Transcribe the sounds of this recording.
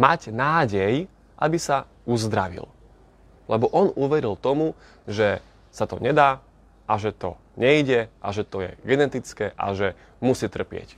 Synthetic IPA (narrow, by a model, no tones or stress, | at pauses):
maɟnaːɟɛj | ʔa̰bisa | uzd̪ɾaʋḭl | lɛbɔʔɔnuʋɛɾilt̪ɔmu | ʒɛ | sat̪ɔ̰ɲɛd̪aː | ʔaʒɛt̪ɔ̰ | ɲɛiɟɛʔaʒɛt̪ɔjɛ̰ɡɛnɛt̪it͡skɛːʔa̰ʒɛ | musiːt̪r̩pɪɛ̰c